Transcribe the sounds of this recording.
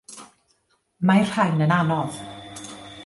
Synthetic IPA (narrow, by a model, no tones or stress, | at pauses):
majr̥hajnənanɔð